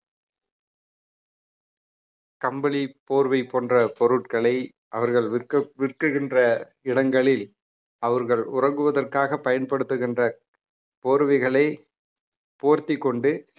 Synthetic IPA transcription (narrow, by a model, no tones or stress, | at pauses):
kɐmbɐɭipoːɾʋɐɪpoːndrɐpɔɾɯʈ̚kɐɭɐɪ | ʔɐʋɐɾɣɐɭʋɪrkɯɣɪndrɐ | ɪɽɐŋɡɐɭɪl | ɐʋɐɾɣɐɭʊrɐŋɡɯʋɐðɐrkaːɣɐpːɐjɐnpɐɽɯt̪ːɯɣɪndrɐ | poːɾʋɐɪɣɐɭɐɪ | poːɾt̪ɪkːɔɳɖɯ